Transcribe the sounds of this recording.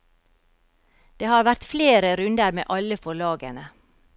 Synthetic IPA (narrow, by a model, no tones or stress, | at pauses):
d̪̥eːhɑːɾʋæɾt̪fleːɾəɾʉnd̪əɾmḛːʔɑləfɔɭɑːɡə̰nə